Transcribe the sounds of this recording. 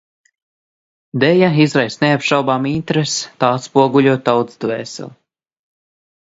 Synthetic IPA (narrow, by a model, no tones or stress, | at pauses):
d̪ɛjaizɾajsneapʃawbaːmint̪ɾest̪aːt̪spuɔɡuʎʲuɔt̪̚ːawt̪sd̪vɛːsɛ̰lˠ